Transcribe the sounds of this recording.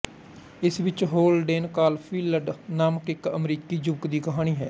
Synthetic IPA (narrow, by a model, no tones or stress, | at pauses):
ɪsʋɪt͡ʃɦoːlɖeːnkaːlpʰiːləɖnaːməkɪkəmɾiːkiːd͡ʒʊbkd̪iːkəɦaːɽ̃iːɦɛː